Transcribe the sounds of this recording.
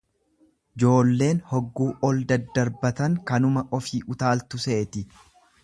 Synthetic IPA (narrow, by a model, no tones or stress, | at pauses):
ɪd͡ʒo̞ːlːe̞ːnhɔɡːuːʔɔld̪ɐd̪ːɐɾbɐt̪ɐŋkɐnʊmɐʔɔfiːʔʊt̪aːlt̪ʊseʔɛt̪ɪ